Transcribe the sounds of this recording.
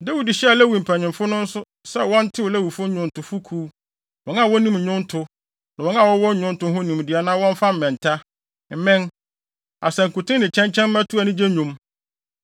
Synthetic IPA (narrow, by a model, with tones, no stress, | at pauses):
da˦wi˦di˨ɕɛ˦a˨lɛ˦wu˨m̩˨pʰæ˨ɲɪ̃˨mfʊ˦nʊ̃˦n̩˦sʊ˦ | sɛ˦wɔ̃˦n̩˦tʰɪ˦wɔ˨lɛ˦wu˨fʊ̃˦ɲʊ̃˦n˨tʊ˨fu˦kʰuː˦ | wɔ̃˦na˨wɔ̃˦nĩ˦m˨ɲʊ̃˦n̩˦tʰʊ˦ | nã˨wɔ̃˦n˦ã˦˨wɔ˦wɔ̃˦ɲʊ̃˦n̩˦tʊ̃˦ɦʊ̃˦nĩ˨m˨dɪ˨a˨nãː˦wɔ̃˦ɱ˦fa˦m̩˨mɛ̃˨n˨tʰa˦ | m̩˨mɪ̃˦n | a̰˨sɛ̃˨ŋ̩˨kʊ˨tʰɪ̃˦nɪ̃˨t͡ɕʰɛ̃˦ɲt͡ɕʰɛ̃˦m̩˦mæ̃˦tʰu˦a˨nɪ̃˦d͡ʑe˦ɲʊ̃˨m